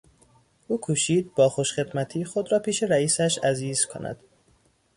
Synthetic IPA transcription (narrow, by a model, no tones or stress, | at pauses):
ʔuːkʰuːʃiːd̪̚bɒːxoʃχe̞d̪mæt̪ʰiːxod̪ɾɒːpʰiːʃeɾæiːsæʃæziːz̥kʰo̰næ̰d̪̥